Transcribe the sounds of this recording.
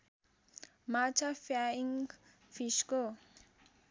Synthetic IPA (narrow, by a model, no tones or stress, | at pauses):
mat͡ʃafjaiŋ | fiʃko